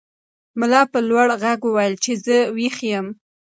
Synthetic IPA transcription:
mʊlɑpəlwaɽɣaɡwəwajəlt͡ʃezəwixjəm

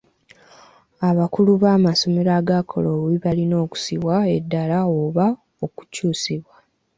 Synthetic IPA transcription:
aβakuluβaːmaso̞meɾaːɡakʰo̞lowiβalino̞ːku̥siβwaedːalaoβa | oku̥cuːsiβwa

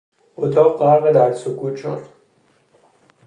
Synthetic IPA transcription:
ʔot̪ʰɒːqɢæɾɣed̪æɾsokʰuːt̪t͡ʃʰo̰n

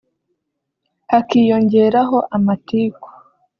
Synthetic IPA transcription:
hakijo̞ɲɟe̞ɾaɦo̞ʔamatiːko̥

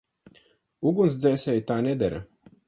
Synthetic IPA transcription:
uɡuns̬d̪zʲɛːsʲɛjt̪aːnʲɛd̪ɛɾɐ̰

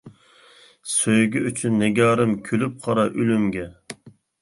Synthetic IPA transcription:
søjɡʲyʔyt͡ʃʰynːeɡʲɑːɾɨmkʲʰølyp̚qʰɑɾɑʔylymɡʲɛ

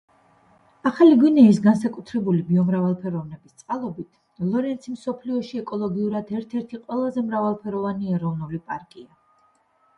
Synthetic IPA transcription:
aχaliɡwinɛis̬ɡansakʼut̪ʰɾɛbulibiɔmɾavalˠpʰɛɾɔvnɛbist̪sʼqʼalˠɔbit̪ʰ | lˠɔɾɛnt̪sʰimsɔpʰliɔʃiɛkʼɔlˠɔɡiuɾad̪ɛɾt̪ʰɛɾt̪ʰiqʼwɛlˠazɛmɾavalˠpʰɛɾɔvaniɛɾɔvnulipʼaɾkʼia

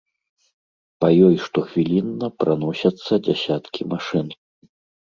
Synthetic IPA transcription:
pajɔjʂt̪ɔxvʲilʲinːɐpɾanɔsʲɐt̪sːɐd͡zʲasʲat̪kʲimaʂɨn

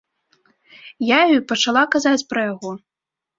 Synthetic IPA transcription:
jajupɐt͡ʂalˠakazat͡sʲpɾɐjaɣɔ

